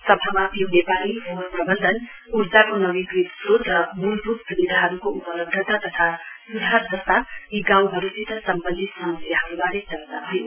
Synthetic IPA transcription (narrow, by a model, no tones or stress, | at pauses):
sʌbʱamat̪jonepaliɦopɾʌbʌnd̪ʱən | uɾd͡ʒakonʌʋiɡɾit̪sot̪ɾʌmulrupsubid̪ʱaɦʌɾukoupʌlʌb̚d̪ʱət̪at̪ʌt̪ʰasud̪ʱaɦʌɾd̪ʱʌst̪aiɡãwɦʌɾusit̪ʰʌsʌmpʌnd̪it̪sʌ̃sjaɦʌubaɾesʌɾt̪aɦʌj